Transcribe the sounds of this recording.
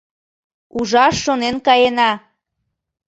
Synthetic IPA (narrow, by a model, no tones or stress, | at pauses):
uʒɑʃːonenkɑjenɑ